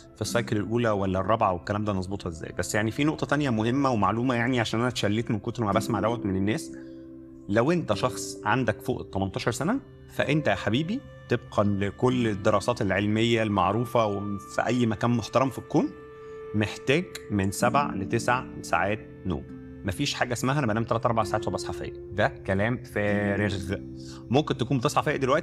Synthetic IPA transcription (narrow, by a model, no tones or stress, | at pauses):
fisːɑjkelelʔuːlæwælːærˤːɑbʕawekːælæːmd̪æːmɑzˤbot̪ˤhɑʔezːæ̰ːjbæsːjaʕnifiːnoʔt̪ˤɑt̪ænjæmohemːæwemaʕluːmæjaʕniʕaʃæːnʔænæt̪ʃælːiːt̪menkot̪ɾmæbæsmaʕd̪æwːæt̪menenːæːs | læwʔent̪æʃɑxsˤʕand̪ækfo̰ːʔt̪ːˤɑmɑnt̪ˤɑːʃɑɾˤsænæ | fæ̰ʔent̪æħabiːbi | t̪eb̚qʰɑekolːed̪ːeɾˤɑːsɑːt̪elʕelmejːælmaʕɾuːfæwefḭʔæjːmækæːnmoħt̪ɑɾˤɑmfikːoːm | meħt̪æːɡmensæbʕalet̪esʕsa̰ʕaːt̪̚ | no̰ːm | mæfiːʃħaːɡæʔsmæɦænæbænæːmt̪ælæt̪ɑˤɾˤbaʕsaʕaːt̪sobʔɑsħɑfḛjːæd̪ækælæːmfæɾeɣ | momkent̪ækuːmbet̪eɑsˤħɑfejʔæd̪elwæʔt̪i